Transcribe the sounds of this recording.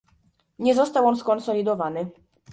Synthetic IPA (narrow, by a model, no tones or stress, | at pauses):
ɲɛzɔst̪awɔnskɔnsɔlʲid̪ɔvanɘ